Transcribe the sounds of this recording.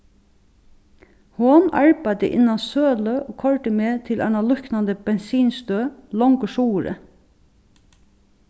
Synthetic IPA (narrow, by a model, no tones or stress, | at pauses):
hɔnɑ̰ɹbæd̪ə̰ʔɪ̰nːɑnsøːløʔoːkʰɔɹʈ̪əmeːt̪ʰɪlʔæ̰nɑlʊknɑnd̪əb̥ɛnsiːnst̪øːlɔŋkəʃuːɾə̰